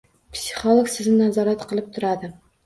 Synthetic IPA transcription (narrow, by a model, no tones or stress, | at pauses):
psʲi̥χolˠoksɪznnazɒɾat̪qʰɨlˠɪp̚t̪ʰʊɾad̪ɪ